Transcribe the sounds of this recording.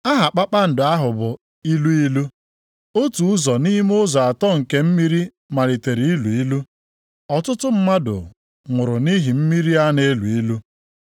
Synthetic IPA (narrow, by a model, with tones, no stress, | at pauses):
a˦ɦa˨k͡pa˦k͡pa˦n̩˨dʊ˨a˦ɦʊ˨bʊ˨ | i˦lu˦i˦lu˦ | o˦tu˨ʊ˦zɔ˨ni˦m˦ʊ˦zɔ˨a˨tɔ˦˨ŋ̩˨ke˦m̩˦mi˦ɾi˦ | ma˨li˨te˨ɾi˨i˦lu˨i˦lu˦ | ɔ˨tʊ˦tʊ˦m̩˦ma˦dʊ̰˨ | ŋʷʊ˨ɾʊ˨ni˦ɦi˨m̩˦mi˦ɾi˦a˦ne˦lu˨i˦lu˦